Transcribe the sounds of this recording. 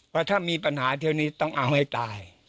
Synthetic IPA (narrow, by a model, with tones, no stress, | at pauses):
paː˥˩t̪ʰaː˥˩miː˧pa˧nhaː˩˦t̪ʰi˧wniː˦˥t̪ɔ˥˩ŋʔa˧wha˥˩jt̪aː˧j